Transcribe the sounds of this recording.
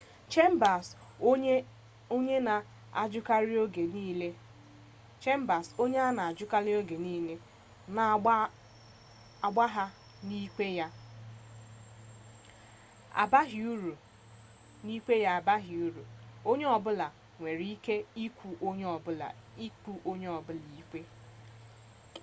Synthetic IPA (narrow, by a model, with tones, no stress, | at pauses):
t͡ʃe˦m˦ba˨s | o˦ɲe˦na˨ | a̰˨d͡ʒʊ˦ka˦ɾɪ˦o˦ɡe˨niː˦le˦ | t͡ʃe˦m̩˦ba˨so˦ɲe˦a˦na˨a˨d͡ʒʊ˦ka˦ɾɪ˦o˦ɡe˨niː˦le˦ | na˨˦ | a˨ɡ͡ba˦ɦa˦ | ni˦ke˦ja˦ | a̰˨ba˦ɦi˨u˦ɾu˨ | ni˦kʷe˦ja˦a˨ba˦ɦi˨u˦ɾu˨o˦ɲe˦ɔ˨bʊ˦la˨ | ŋʷe˨ɾi˨˦i˦ke˦i˦kʷʰu˨ʔo˦ɲe˦ɔ˨bʊ˦la̰˨ | i˦ku˦ʔo˦ɲe˦ɔ˨bʊ˦li˨i˦kʷe˦